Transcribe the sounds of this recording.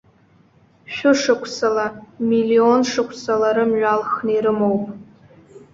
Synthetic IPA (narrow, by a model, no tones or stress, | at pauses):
ʃᶣʊʂɨkʷʰsalamilio̞nʂɨkʷʰsalaɾɨmɥalχneɾɨmowpʼ